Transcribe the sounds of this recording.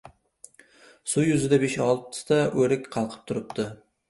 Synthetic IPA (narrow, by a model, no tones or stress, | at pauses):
sʊjʊzɪd̪abeʃɒlˠt̪ʰɪ̥t̪aɵɾɪkʲqʰɑlˠqʰɨ̥p̚t̪ʰʊɾɪp̚t̪ʰɪ